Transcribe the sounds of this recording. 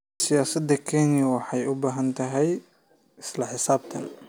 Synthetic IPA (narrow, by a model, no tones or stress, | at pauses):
sɪjaːsɐd̪ɐkʰɛːnɪjɐwɑħɑjʊbaːɦɐnt̪ʰɐɦɛj | ʔɪslɐħɪsaːb̚t̪ʰɐn